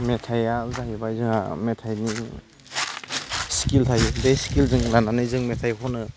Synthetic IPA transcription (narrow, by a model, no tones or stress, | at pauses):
metʰajazaɦibajzɯŋa̰metʰajni | skiltʰajdejskilzɯŋnananɯjzɯŋmetʰajɦʰɔnɯ